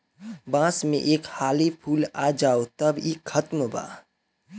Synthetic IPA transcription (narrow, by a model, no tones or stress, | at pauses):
bãːsmḛ̃ʔeːkhaːlipʰuːlad͡ʒaːot̪əbiːkʰːət̪məba̰ː